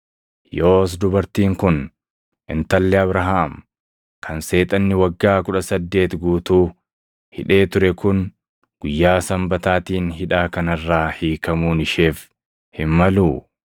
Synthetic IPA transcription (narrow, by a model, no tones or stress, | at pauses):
joːs̬d̪ʊbɐɾt̪iːŋkʊn | ʔɪ̰nt̪ɐlːɛɐbɾɐɦaːm | kʰɐnse̞ːt̪ʼɐnːɪwɐɡːaːkʊᶑɐsɐd̪ːe̞ːt̪ɡuːt̪uː | hɪᶑe̞ːt̪ʊɾɛkʊn | ɡ̥ʊjːaːsɐmbɐt̪aːt̪iːnɦɪᶑaːkɐnɐrːaːhiːkɐmuːnɪʃe̞ːf | hɪmmɐluː